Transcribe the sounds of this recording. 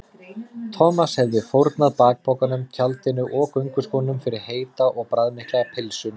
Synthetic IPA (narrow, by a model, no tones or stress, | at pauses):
t̪ʰɔːmashɛvðɪfowɾt̪naðpaːk̚pʰowkanʏmcʰalt̪ɪnʏʔɔkœɥŋkʏskɔnnʏmfɪɾɪɾ̥heːjt̪aʔɔɣpɾaðmehklaɣapʰɪlsʏm